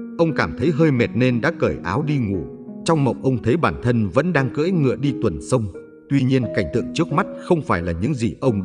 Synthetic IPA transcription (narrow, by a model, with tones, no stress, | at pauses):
ʔə˧wŋ͡mkaː˧˩mt̪ʰə˨˦jɦəː˧jmɛ˨˩t̚ne˧nɗa̰ː˧˥kəː˧˩jʔaː˨˦wɗi˧ŋu˧˩ | t͡ɕɔ˧wŋ͡mmə̰˧˨wŋ͡mʔə˧wŋ͡mt̪ʰə˨˦jɓaː˧˩nt̪ʰə˧nvə̰˧˥nɗaː˧ŋkə̰ː˧˥jŋɨ̰˧˨əɗi˧t̪wə˨˩nsə˧wŋ͡m | t̪wi˧ɲi˧ənka˧˩jŋ̟t̪ɨ̰˧˨əŋt͡ɕɨ˦˥k̚ma˦˥t̚xə˧wŋ͡mfaː˧˩jlaː˨˩ɲɨ̰˧˥ŋzi˨˩ʔə˧wŋ͡m